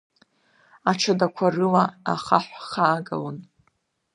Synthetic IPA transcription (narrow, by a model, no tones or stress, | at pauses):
aʈ͡ʂʰadakʷʰarɨlaa̰χaħʷχaːɡa̰lan